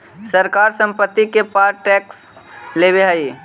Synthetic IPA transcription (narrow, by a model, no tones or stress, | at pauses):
səɾkaːɾsə̃mpət̪ːikepaːɾʈɛːks | lebeɦəi